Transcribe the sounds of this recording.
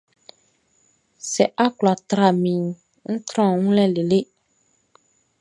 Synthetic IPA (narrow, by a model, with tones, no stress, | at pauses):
sɛ˨ʔa˦kla˨t̪ɾa˨mĩ˨ | ŋ̩˦t̪ɾɔ̃˦˨ŋũ˦lɛ˦le˨le˦